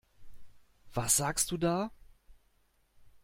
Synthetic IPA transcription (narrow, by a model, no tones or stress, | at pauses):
v̥asz̥aːkst̚d̥uːdaː